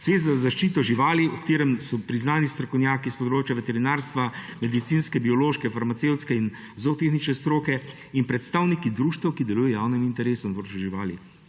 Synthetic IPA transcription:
sʋeːt̪zazaʃt͡ʃiːt̪ɔʒiʋaːliɔkt̪eːɾɛmsɔpɾiznaːnist̪ɾɔkɔwnjaːkispɔd̪ɾoːt͡ʃjaʋɛt̪ɛɾinaːɾst̪ʋamɛd̪it̪sinskɛbiɔloːʃkɛfaɾmat̪sewt̪skɛin | zot̪eːxnit͡ʃnɛst̪ɾoːkɛ | inpɾɛt̪st̪aːwnikid̪ɾuːʃt̪ɐwkid̪ɛluːjɛjaːwnimint̪ɛɾeːsɔnp̪ɾoːt͡ʃjuʒiʋaːli

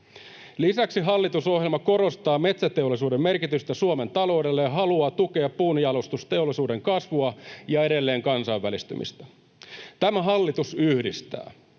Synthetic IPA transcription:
lisæksiɦɑlːit̪uso̞ɦjelmɑko̞ɾo̞st̪ɑːme̞t̪sæt̪e̞o̞lːˑisuːdemːe̞rkit̪yst̪æsuome̞nt̪ɑlo̞wde̞lːejɑɦɑluɑːt̪uke̞ɑpːuːnijɑlost̪ust̪e̞olːˑisuːde̞ŋkɑsʋuɑjɑe̞ɾe̞lːeːŋkɑnsɑiʋːælist̪y̰mḭst̪æ̥ | t̪æmæɦɑlːit̪usyhdist̪æ̰ː

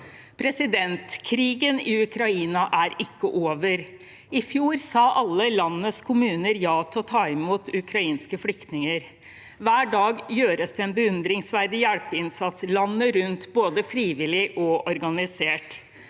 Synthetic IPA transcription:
pʰɾɛsɪd̪ɛnt̪kʰɾiːɡənɪʉkɾɑiːnɑʔæɾɪkːəʔoːʋəɾ | ɪfjuːɾsɑːʔɑlːəlɑnːəskʰʊmʉːnəɾjɑːt̪ʰɔlt̪ʰɑːɪmuːt̪ʉkʰɾɑiːnskəflʏkt̪nɪŋəɾ | ʋæːɖɑːɡjøːɾəsd̪ɛɛnbəʉnd̪ɾɪŋsʋæɾd̪ɪjælpəɪnsɑt̪səlɑnːəɾʉnt̪boːd̪əfɾiːʋɪlɪʔɔʔɔɾɡɑnɪseːʈ

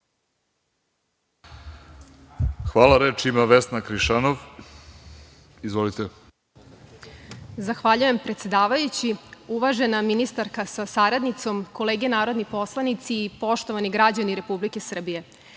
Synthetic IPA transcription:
xʋaːlaɾet͡ʃimaʋesnakɾiʃanoʋ | izʋolit̪e | zaxʋaʎuje̞mpɾet̪sed̪aːʋajut͡ɕiuʋaʒe̞naminist̪aɾkasasaɾad̪nit̪so̞mko̞leːɡenaːɾo̞d̪nipo̞slˠanit̪siːpo̞ʃt̪o̞ʋaniɡɾad͡ʑaniɾe̞publike̞sr̩bije̞

